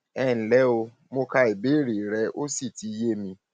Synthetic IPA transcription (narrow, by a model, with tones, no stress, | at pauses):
ɛ˦˨n̩˨lɛ˨˦o˧ | mo˧ka˧e˨be˨˦ɾi˨ɾɛ˧ʔo˦si˦˨ti˨˦je˦mĩ˧